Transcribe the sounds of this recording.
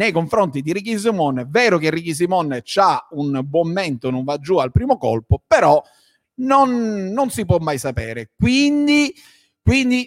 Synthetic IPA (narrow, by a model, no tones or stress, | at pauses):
nejkoɱfɾont̪id̪irɾik̬is̬imɔnːevɛːɾʊkerːikis̬imɔnːet͡ʃaunbwɔmːɛnt̪onoɱvad͡ʒːualpɾiːmokɔ̰lpopeɾɔ | nonːonsip̬wɔmːajsapɛ̰ːɾekwind̪i | kwind̪i